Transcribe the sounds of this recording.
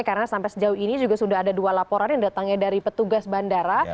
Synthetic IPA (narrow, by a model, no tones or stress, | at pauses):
kaɾənasampajsəd͡ʒauhinid͡ʒuɡasudaɦadadualapoɾanjaŋdat̪aŋɲadaɾipət̪uɡasbandaɾa